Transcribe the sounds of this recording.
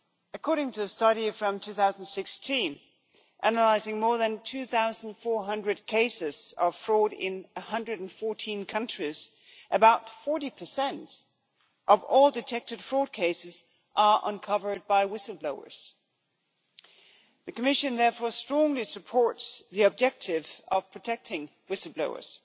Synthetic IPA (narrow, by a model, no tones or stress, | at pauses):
ɨkʰɔɹɾɪ̃ŋtʰɨɨstʌɾifɹʌ̃mtʰʉθaʊzn̩d̥sɪkstʰĩn | ʔænəlaɪzɪ̃ŋmɔɹðɨ̃ntʰʉθaʊzn̩d̥fɔɹɦʌ̃ndɹɨd̚kʰeɪsɪz̥ʌv̥fɹɔɾɪ̰̃nɨhʌ̃ndɹɨɾn̩fɔɹtʰĩnkʰʌ̃nt͡ʃɹ̥iz | ʔɨbaʊtfɔɹɾipʰə˞sɛ̃nt | ʔʌvɔlˠdɨtʰɛk̚tɨd̥fɹɔd̚kʰeɪsɨz | ʔə˞ʔə̰̃nkʰʌvə˞d̚baɪwɪsl̩ˠbloʊə̰˞z̥ | ðɨkəmɪʃɨ̃nðɛɹfɔɹstɹ̥ɔ̃ŋlisɨpʰɔɹtsðiɑb̚d͡ʒɛk̚tʰɪvʌv̥pʰɹ̥ɨtʰɛk̚tʰɪ̃ŋ | wɪsl̩ˠbloʊə̰˞z̥